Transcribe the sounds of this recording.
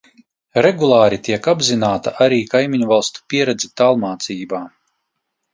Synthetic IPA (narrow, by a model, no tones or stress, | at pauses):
ɾɛɡulˠaːɾit̪ʲiɛkabzinaːt̪aʔaɾiːkajmiɲuvalˠst̪u̥pʲiɛɾɛd̪zʲɛt̪alˠmaːt̪siːbaː